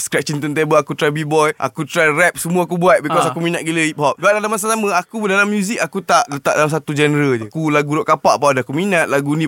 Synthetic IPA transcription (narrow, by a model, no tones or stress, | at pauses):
skɾɛp̚t͡ʃint̪ənt̪ebəakut̪ɾabibɔjʔa̰kut̪ɾarɛp̚səmuaakubuat̪̚bikɔsakuminaʔ̪̚ɡiləip̚hɔp̚duaʔ̚dalamas̬asaməakudalamːjuzikakut̪aʔdat̪a̰ʔ̚dalams̬at̪ud͡ʒɛnɾəd͡ʒaəkulaɡuɾɔʔkapaʔapadaakuminat̪̚laɡunĩ